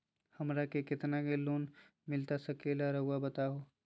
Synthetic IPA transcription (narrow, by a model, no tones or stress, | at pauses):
hɐmɾakekɪt̪nakeluːn | mɪlt̪asɐkelaɾɐɦʊabɐt̪aɦoː